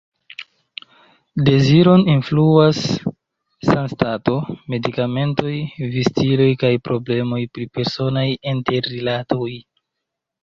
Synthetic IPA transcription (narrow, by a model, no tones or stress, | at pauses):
de̞ziɾo̞ninfluasː | anstato̞me̞dikame̞nto̞jvistilo̞jkajpɾo̞ble̞mo̞jpɾipe̞ɾso̞najinte̞ɾːilato̞j